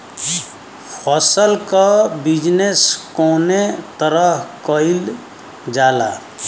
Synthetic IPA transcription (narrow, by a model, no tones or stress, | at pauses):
pʰɔsəlkabid͡ʒneskoːnet̪əɾəɦkəɪl | d͡ʒaːla̰